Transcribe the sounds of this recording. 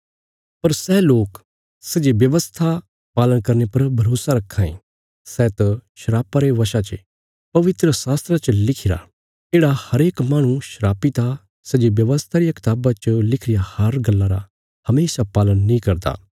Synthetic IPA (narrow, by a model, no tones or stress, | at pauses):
pɐɾsɛːloːk | sɐd͡ʒebjɐʋəst̪ʰa | paːlənkɐɾnepɐɾbʱɐɾoːsaɾɐkʰːãːḛ̃ | sɛːt̪ɐʃɐɾaːpaɾeʋɐʃat͡ʃə | pɐʋɪt̪ɾəsaːst̪ɾat͡ʃəlɪkʰɪɾa̰ | eːɽahɐɾeːkmaːɽ̃ũʃɐɾaːpit̪a | sɐd͡ʒebjɐʋəst̪ʰaɾijakɪ̥t̪aːbat͡ʃəlɪkʰɾɪjahɐɾɡɐlːaɾa | hɐmeːsapaːlənːĩkɐɾd̪a̰ː